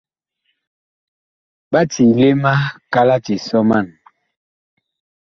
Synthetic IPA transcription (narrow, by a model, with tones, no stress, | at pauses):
ba˦ti˨le˦ma˦ka˦la˦ti˨sɔ˦ma˦˨n